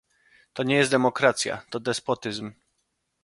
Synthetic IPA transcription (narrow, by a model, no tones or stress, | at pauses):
t̪ɔɲɛjɛst̪d̪ɛmɔkɾat̪sʲja̰t̪ɔd̪ɛspɔt̪ɘzm